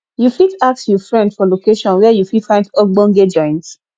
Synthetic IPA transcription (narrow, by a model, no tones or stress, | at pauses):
jufitak̚sjufɹɛ̃ndfɔlokeʃɔ̃nwɛjufifãɪ̃ndɔɡ͡bɔ̃ŋɡed͡ʒɔ̃ɪ̃ns